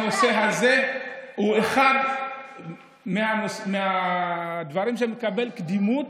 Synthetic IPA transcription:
no̞se̞ɦaze̞ueχad | meanosmea | d̪vaʁimʃ̬emekabe̞lkd̪imut̪

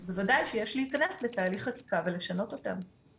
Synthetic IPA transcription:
vevadajʃejeʃliːkanesletaːliχχaki̥kave̞le̞ʃano̞to̞t̪a̰m

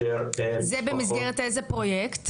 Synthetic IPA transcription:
zebemizɡeʁetejzepʁo̞jekt̪

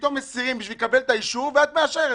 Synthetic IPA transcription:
t̪o̞mːesiʁimbiʃvilkabe̞lt̪aiʃuʁveat̪meaʃeʁe

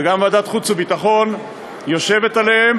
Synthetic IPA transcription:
ɡamvad̪at̪χut͡subit̪aχo̞n | jo̞ʃe̞vet̪alehem

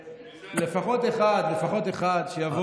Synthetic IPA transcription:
le̞faχo̞t̪e̞χad̪le̞faχo̞t̪eχad̪ʃejavo

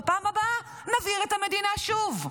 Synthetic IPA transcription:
paːmaba | naviʁet̪hame̞d̪inaʃuv

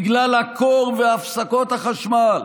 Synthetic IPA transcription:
ɡlalhakʰoʁveafsakot̪haχaʃmal

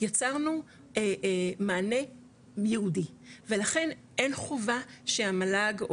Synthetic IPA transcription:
jat͡saʁnu | emaːne̞ | jeɦudive̞laχe̞n | enχovaʃeamalaɡ

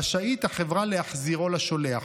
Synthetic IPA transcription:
aʃait̪aχevʁaleaχziʁo̞laʃoleaχ

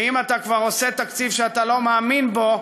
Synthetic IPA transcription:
imat̪akvaʁo̞set̪akt͡sivʃeat̪alo̞maːminbo̞

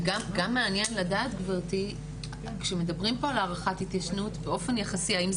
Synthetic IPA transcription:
ɡamɡamːeanjenladaːtɡvaʁti | kʃeme̞dɐbʁimpo̞alaːʁaχathitjaʃnutbeo̞fe̞njeχasiaim

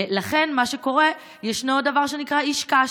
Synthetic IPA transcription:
laχe̞nmaʃeko̞ʁe̞ | jeʃnod̪avaʁʃenikʁaiʃka

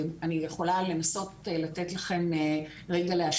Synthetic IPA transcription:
manijeχo̞lale̞naso̞tlatetlaχe̞n | ʁeɡaleaʃ

